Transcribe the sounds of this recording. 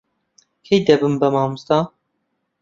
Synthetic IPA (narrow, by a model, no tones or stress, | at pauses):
kʰejd̪ɛbɨmbɛmɑːmust̪ɑ